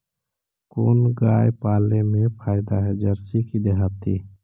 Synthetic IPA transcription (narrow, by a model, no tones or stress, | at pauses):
koːnɡaːjpaːlemẽpʰaːɪd̪aɦɛd͡ʒəɾsikid̪eɦat̪ːḭː